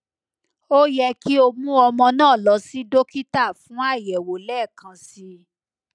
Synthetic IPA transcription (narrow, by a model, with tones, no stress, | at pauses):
o˦jɛ˧ki˦o˧mũ˦ɔ˧mɔ̃˧nãː˦˨lɔ˨˦si˦do˦ki˦ta˦˨fũ˨˦a˦˨jɛ˨wo˨lɛː˦˨kã˨˧si˧